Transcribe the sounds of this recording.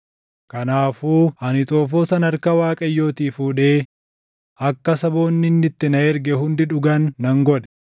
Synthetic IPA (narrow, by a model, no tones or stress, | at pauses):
kɐnaːfuːɐnɪt̪ʼoːfoːsɐnɐɾkɐwaːkʼɐjːo̞ːt̪iːfuːᶑe̞ː | ɐkːɐsɐbo̞ːnːɪnːɪt̪ːɪnɐɛɾɡɛhʊnd̪ɪᶑʊɡɐnːɐŋɡɔᶑɛ̥